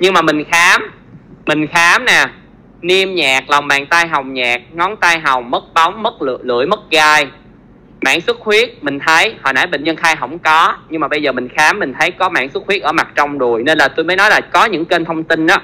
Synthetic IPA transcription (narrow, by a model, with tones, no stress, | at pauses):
ɲɨ˧ŋmaː˨˩mï˨˩ŋ̟xaː˨˦m | mï˨˩ŋ̟xaː˨˦mnɛː˨˩ | ni˧əmɲaː˨˩k̚la˨˩wŋ͡mɓa̰ː˧˨ŋt̪aː˧jɦa˨˩wŋ͡mɲaː˨˩k̚ŋɔ˨˦nt̪aː˧jɦa˨˩wŋ͡mmə˦˥t̚ɓa˨˦wŋ͡mmə˦˥t̚l̰lɨ̰˧˩əjmə˦˥t̚ɣaː˧j | ma̰ː˧˥ŋsɨ˦˥t̚xwi˦˥ət̚mï˨˩ŋ̟t̪ʰə˨˦jhɔ̰˧˩na̰˧˥˩jɓə̰˧˨ŋ̟ɲə˧nxaː˧jɦə̰˧˩wŋ͡mkɔ˨˦ɲɨ˧ŋmaː˨˩ɓə˧jzəː˨˩mï˨˩ŋ̟xaː˨˦mːï˨˩ŋ̟t̪ʰə˨˦jkɔ˨˦ma̰ː˧˥˨ŋsɨ˦˥t̚xwi˦˥ʔəː˧˩ma˨˩t̚t͡ɕɔ˧wŋ͡mɗu˨˩əjne˧nlaː˨˩t̪ou˧jməː˨˦jnɔ˨˦jlaː˨˩kɔ˨˦ɲɨ̰˧˥ŋke˧nt̪ʰə˧wŋ͡mt̪i˧nʔaː˨˦